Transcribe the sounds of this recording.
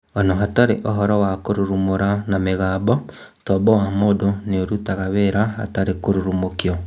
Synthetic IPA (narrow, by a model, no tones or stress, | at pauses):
ɔnɔɦataɾḛʔɔɦɔɾɔwakoɾuɾumoɾanameɣaːbɔ | tɔbɔwamodoneoɾutaɣaβeɾaa̰taɾekoɾuɾumokiɔ